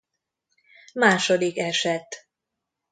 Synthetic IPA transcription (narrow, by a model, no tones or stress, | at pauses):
maːʃod̪ikɛʃɛt̪